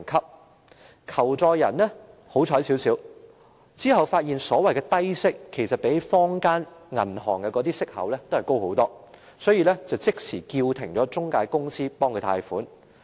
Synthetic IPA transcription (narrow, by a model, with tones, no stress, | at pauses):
nkʰɐ˥p̚ | kʰɐ˨˩wt͡sɔː˨˧jɐ̰˨˩nlɛ˥ho˨˥wt͡ʃʰɔː˨˥jsiː˨˥wsiː˨˥w | t͡siː˥ɦɐ˨wfaː˧t̚jiː˨nsɔː˨˥wɐ˨˩jkɛː˧t̪ɐ˥jsɪ˥kʰːe˨˩jsɐ˨t̚pe˨˥jfɔː˥ŋkaː˥nŋɐ̰˨˩nɦɔː˨˩ŋkɛː˧kɔː˨˧˥t̪iː˥sɪ˥k̚hɐ̰˨˥wlɛː˥t̪o˥whɐ˨jko˥who˨˥wt̪ɔː˥ | sɔː˨˥jiː˧lɛː˥t͡sɐ˨˩wt͡sɪ˥k̚sʰiː˨˩kiː˧wt̪ʰɪ˨˩ŋt͡sɔː˨˥t͡sʊ˥ŋkaː˧jkʊ˥ŋsiː˥pɔː˥ŋkʰɵ˧t̪ʰa̰ː˧jfuː˨˥n